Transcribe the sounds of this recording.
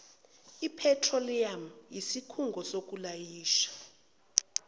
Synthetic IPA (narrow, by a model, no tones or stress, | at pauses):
ipʰɛtʰroliamjisikʰuŋɡʱɔsok̬ulajiːʃḁ